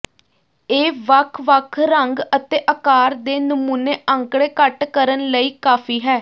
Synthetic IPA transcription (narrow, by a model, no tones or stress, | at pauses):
eːʋəkʰʋəkʰɾəŋɡət̪eːʔəkaːɾd̪eːnəmuːneːʔəŋkɽeːkəʈkəɾənləiːkaːfʰiːɦɛː